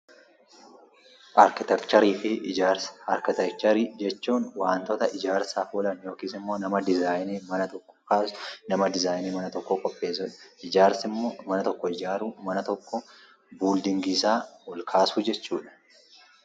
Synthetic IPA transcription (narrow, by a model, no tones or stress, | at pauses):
ʔɐɾkɪt̪ɛkt͡ʃɐɾiːfɪʔɪd͡ʒaːɾsɐɾkɪt̪ɛk̚t͡ʃɐɾiːd͡ʒɛt͡ʃːuːnwaːnt̪ɔt̪ɐʔɪd͡ʒaːɾsaːfɔlɐnjo̞ːkiːsɪmːo̞ːnɐmɐd̪ɪzaːjneːmɐnɐt̪ɔkːɔ̥kaːsnɐmɐd̪ɪzaːjniːmɐnɐt̪ɔkːɔkʼɔpʼːe̞ːs̬ʊᶑɐ̥ʔɪd͡ʒaːɾsɪmːoːmɐnɐt̪ɔkːɔɪd͡ʒaːɾuːmɐnɐt̪ɔkːɔ | buːld̪ɪŋɡɪsaːwɔlkʰaːsud͡ʒɛt͡ʃːuːᶑɐ̥